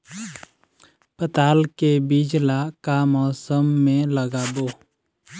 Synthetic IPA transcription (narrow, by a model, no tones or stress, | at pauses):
pət̪aːlkebid͡ʒlakamɔːsəmːẽləɡaːboː